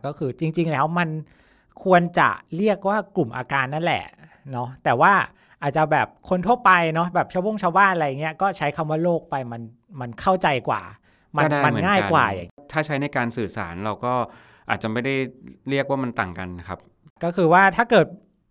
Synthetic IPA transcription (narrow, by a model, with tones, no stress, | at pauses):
kɔː˥˩kʰɯː˧t͡ɕi˧ŋt͡ɕi˧ŋlɛː˦˥wma˧n | kʰu˧ənt͡ɕa̰˨˩ɾi˥˩ək̚waː˥˩klu˨˩mʔa̰ː˧kaː˧nːa˥˩nlɛ̰˨˩ | nɔ˦˥t̪ɛː˨˩waː˥˩ | ʔaː˨˩t̪̚t͡ɕa˨˩bɛː˨˩p̚kʰo˧nt̪ʰu˥˩ət̪̚pa˧jnɔ˦˥bɛː˨˩p̚t͡ɕʰa˧wo˥˩ŋt͡ɕʰaː˧wbaː˥˩nʔa˧ja˨˩ŋːi˦˥ɐkɔː˥˩t͡ɕʰa˦˥jkʰa˧mwaː˥˩loː˥˩k̚pa˧jma˧n | ma˧nkʰa˥˩wt͡ɕa˧jkwa̰ː˨˩ | ma˧˥naː˥jma˧m˩˦ŋaː˥˩jkwa̰ː˨˩ja̰˨˩ŋt̪ʰaː˥˩t͡ɕʰa˦˥jna˧jkaː˧nsɯː˨˩sa̰ː˩˦nɾa˧wkɔː˥˩ | ʔaː˨˩t̪̚t͡ɕa˨˩ma˥˩jda˥˩jɾi˥˩ək̚waː˥˩ma˧nt̪a̰ː˨˩ŋka̰˧nː˦˩kʰa˦˥p̚ | kɔː˥˩kʰɯː˧waː˥˩t̪ʰaː˥˩kɤː˨˩t̪̚